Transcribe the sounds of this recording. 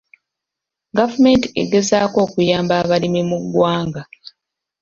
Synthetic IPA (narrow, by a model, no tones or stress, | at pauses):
ɡavume̞ntiḛɡe̞zaːko̞ːkujaːmbaːβalimimuɡːwaːŋɡa